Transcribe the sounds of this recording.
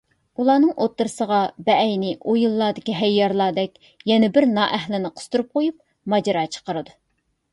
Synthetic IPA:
ulˠɑːnɨŋʔot̪ːɨɾɨsəʁɑbɛɛjnɪʔojulˠːɑːd̪ɪkʲiɦɛjːɑɾlˠɑːd̪ɛkʲ | jɛnɛbɪɾnɑːʔɛhlɪnɪqʰə̥st̪uɾup̚qʰojup̚ | mɑd͡ʒɑɾɑːt͡ʃʰə̥qəɾɨd̪u

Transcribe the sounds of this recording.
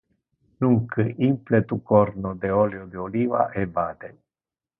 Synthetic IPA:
nuŋkʰəʔimplet̪ukoɾnod̪eoljod̪eoliva̰ʔebaːd̪e

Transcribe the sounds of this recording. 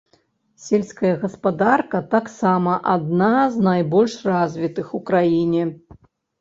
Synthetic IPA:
sʲelʲsʲkɐjɐɣɐspad̪arkɐt̪aksamɐʔad̪naznajbɔlʲʂrazʲvʲit̪ɨxukɾajinʲɛ

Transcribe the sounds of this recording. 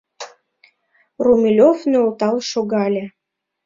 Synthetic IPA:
rumʲilʲofnøot̪ɑlˠʃoɣɑlʲĕ

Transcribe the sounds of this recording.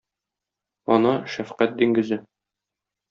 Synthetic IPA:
ɒnɑʃæfqæt̪̚d̪iŋɡɘ̆zɘ

